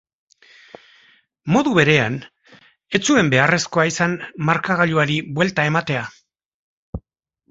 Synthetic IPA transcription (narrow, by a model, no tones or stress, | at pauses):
mo̞ðuβe̞ɾe̞an | e̞t͡sue̞mbe̞are̞sko̞aisanmaɾkaɣ̞aʎuaɾiβwe̞lt̪ae̞mat̪e̞a